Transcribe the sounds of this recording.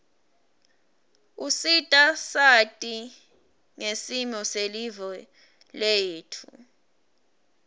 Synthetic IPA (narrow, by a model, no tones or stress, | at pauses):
usitʼasatʼi | ŋesimɔselivɔ | lejeːtʰu